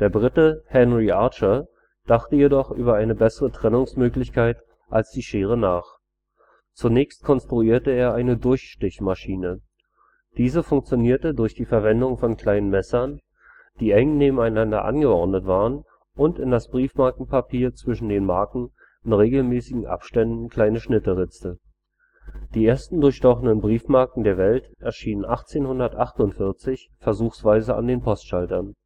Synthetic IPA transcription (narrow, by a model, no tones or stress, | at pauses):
d̥eːɐbʁɪtəhɛnʁiʔaɐt͡ʃɐ | d̥aχtəjedɔχʔyːbɐʔaɪnəbɛsəʁətʁ̥ɛnʊŋsmøːklɪçkʰaɪt | ʔalsd̥iːʃeːʁ̞ənaːχ | t͡sunɛːçst̚kʰɔnstʁ̥uiːɐtəeːɐʔaɪnədʊɐçʃtɪçmaʃiːnə | d̥iːzəfʊŋk̚t͡sjoniːɐtədʊɐçd̥iːfɛɐvɛndʊŋfɔnkʰl̥aɪnənmɛsɐn | d̥iːɛŋneːbm̩aɪnandɐ̰ʔa̰nɡəɔɐdnətv̥aːʁən | ʔʊntɪndasb̥ʁiːfmaɐkŋ̩pʰapʰiːɐt͡sv̥ɪʃn̩deːnmaɐkŋ̩ | ɪnʁeːɡl̩mɛːsɪɡŋ̩ʔa̰pʃtɛndn̩kʰl̥aɪnəʃnɪtəʁɪt͡sə | d̥iːeːɐstn̩dʊɐçʃtɔχənənbʁiːfmaɐkŋ̩deːɐvɛltʔɛɐʃiːnənʔaχt͡seːnhʊndɐtʔaχtʊntfɪɐt͡sɪç | fɛɐzuːxsv̥aɪzəa̰ndeːnpʰɔstʃaltɐn